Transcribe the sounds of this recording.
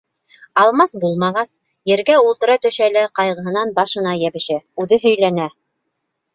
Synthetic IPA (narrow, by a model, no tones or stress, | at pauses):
ɑlˠmɑsbulˠmɑʁɑs | jɘ̆ɾɡæulˠt̪ɤ̆ɾɑt̪ɵ̆ʃælɘqɑjʁɤ̆ɦɤ̆nɑnbɑʃɤ̆nɑjæβɘ̆ʃæʉðɘɦɵ̆jlænæ